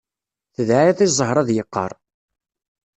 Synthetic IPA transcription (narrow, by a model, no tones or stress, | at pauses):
θəðʕaiðˤizˤːəɦɾˤɑðjəqːə̰ɾˤ